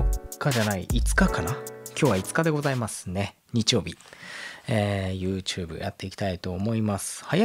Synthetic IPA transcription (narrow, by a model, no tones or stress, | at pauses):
kad͡ʑanaiʔit͡sɨ̥kakanakʲo̞ːβait͡sɨ̥kad̪e̞ɡo̞zaimasɨne̞ | ɲ̟it͡ɕijo̞ːbʲi | eːjɯ̟ːt͡ɕɯːbɯ̰ja̰t̪ːe̞ikʲi̥t̪ait̪o̞ːmo̞imasɨ̥haja